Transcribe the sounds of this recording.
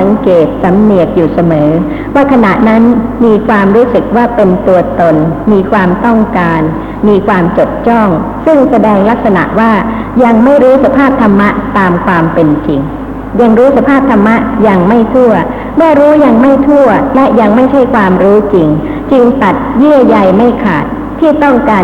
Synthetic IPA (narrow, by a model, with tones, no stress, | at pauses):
a˩˦ŋkeː˨˩t̪̚sa˩˦mni˨˩ək̚juː˨˩sa˧mɤː˩˦ | waː˥˩kʰa˧na˨˩ʔna˦˥nmiː˧kʰwaː˧mɾuː˦˥sɯ˨˩k̚waː˥˩pe˧nt̪u˧ɐt̪o˧nmiː˧kʰwaː˧mt̪ɔ˥˩ŋkaː˧n | miː˧kʰwaː˧mt͡ɕo˨˩t̪̚t͡ɕɔ˥˩ŋsɯ˥˩ŋsa˧dɛː˧ŋla˦˥k̚sa˧na̰˨˩ʔwaː˥˩ | ja˧ŋma˥˩jɾuː˦˥sa˧pʰaː˥˩p̚t̪ʰa˧mːa˦˥ʔt̪aː˧mkʰwaː˧mpe˧nt͡ɕi˧ŋ | ja˧ŋɾuː˦˥sa˧pʰaː˥˩p̚t̪ʰa˧mːa˦˥ʔja˧ŋma˥˩jt̪ʰu˥˩ɐ | maː˥˩ɾuː˦˥ja˧ŋma˥˩jt̪ʰu˥˩ɐlɛ˦˥ʔja˧ŋma˥˩jt͡ɕʰa˥˩jkʰwaː˧mɾuː˦˥t͡ɕi˧ŋ | t͡ɕɯ˧ŋt̪a˨˩t̪̚jɯ˥˩ɐja˧jma˥˩jkʰa̰ː˨˩t̪̚ʰːiː˥˩t̪ɔ˥˩ŋkaː˧